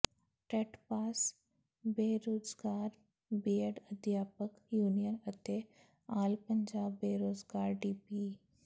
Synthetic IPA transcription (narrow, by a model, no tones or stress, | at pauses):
ʈɾeːʈpaːs | beːɾoːd͡ʒɡaːɾ | biːəɽəd̪ʱjaːpək | juːnijənət̪e | aːlpəɲd͡ʒaːbːeːɾoːzɡaːɾɖiːpi